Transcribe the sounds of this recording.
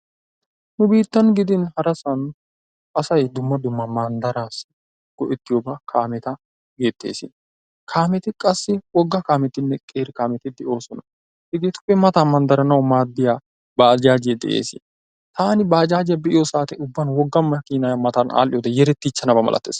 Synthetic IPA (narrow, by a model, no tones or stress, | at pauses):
nʊbiːt̪ːɐnɡɪd̪ɪnhɐɾɐsɐn | ʔɐsɐjd̪ʊmːɐd̪ʊmːɐmɐnd̪ɐɾaːs | ɡ̥ɔʔɪt̪ːɪjoːbɐkʰaːmɛt̪ɐ | ɡeːt̪ːḛːsɪ̰n | kʰaːmɛt̪ɪkʼɐsːɪwɔɡːakaːmɛt̪ːɪnːɛkʼeːɾɪkaːmɛt̪ɪd̪ɛʔo̞ːsɔnɐ | hɪɡet̪ʊ̥pːɛmɐt̪aːmɐnd̪ɐɾɐnɐwmaːd̪ːɪja | baːd͡ʒaːd͡ʒɪjɛd̪ɛ̰ʔḛːsɪ̰n | t̪aːnɪbaːd͡ʒaːd͡ʒɪjɐbɪʔɪjoːsaːt̪ɪʊbːɐnwɔɡːɐnmɐkiːnajɐmɐt̪aːnʔa̰ːlːɪjoːd̪ɛjɛɾɛt̪ːit͡ʃːɐnɐbɐmɐ̰lʔɐ̰t̪ːeːs